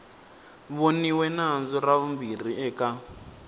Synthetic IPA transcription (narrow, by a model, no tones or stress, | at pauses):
βoniwɛnaɦnd͡zɔraβumbir̤iɛka